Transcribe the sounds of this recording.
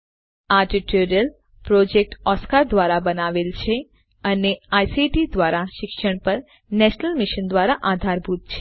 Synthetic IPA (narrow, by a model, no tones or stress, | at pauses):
aʈiʈoɾijəl | pɾod͡ʒek̚ʈɔskaɾd̪ʋaɾabənaʋelt͡ʃʰe | əneajsiʈid̪ʋaɾaʃɪkʃəɳ̃pəɾ | nɛʃnəlmɪʃənd̪ʋaɾaʔad̪ʱaɾbʱut̪̚t͡ʃʰe̥